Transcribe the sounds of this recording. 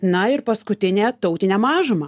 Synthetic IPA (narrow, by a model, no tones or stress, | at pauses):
nɐɪrpɐskʊt̪ʲɪnʲeːt̪ɐʊt̪ʲɪnʲɛːmɑːʒʊmɐː